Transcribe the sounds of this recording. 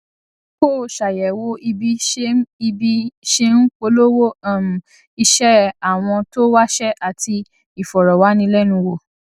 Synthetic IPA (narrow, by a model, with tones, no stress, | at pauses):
ko˦˨ʃa˨jɛ˨wo˦i˧bi˦e˦i˧bi˦ʃe˦n̩˦k͡po˧˦lo˦wo˦˨m̩˨ | i˧ʃɛ˦a˨w̃ɔ̃˧to˦wa˦ʃɛ˦ʔa˨tʰi˧ | i˨fɔ˨ɾɔ˨wa˨˦nĩ˧˦lɛ˦nũ˧wo˨